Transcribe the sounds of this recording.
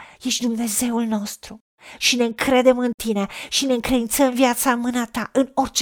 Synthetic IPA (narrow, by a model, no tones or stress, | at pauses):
jeʃd̪umne̞ze̞ulno̞st̪ɾu | ʃine̞ɨŋkɾe̞d̪e̞mɨnt̪ineʃine̞ɨŋkɾe̞d̪int̪səmvjat̪samɨnat̪aʔɨno̞rt͡ʃ